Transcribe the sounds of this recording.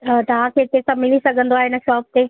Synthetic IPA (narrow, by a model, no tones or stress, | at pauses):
t̪ɐʋ̤ãkʰeːt̪eːsãmɪlisɐɡʱə̃nd̪oaːeɪnə̆ʃɔːp̚t̪eː